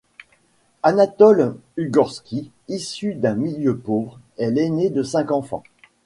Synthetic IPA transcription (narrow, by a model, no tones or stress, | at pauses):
anat̪ɔlyɡɔʁskʲʰi | isyd̪ɛ̃miljøpovʁ | ɛlɛned̪əsɛ̃kɑ̃fɑ̰̃